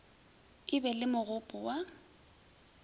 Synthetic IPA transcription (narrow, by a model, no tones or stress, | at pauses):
kɪbɛlɪmʊɣʊpʼʊwa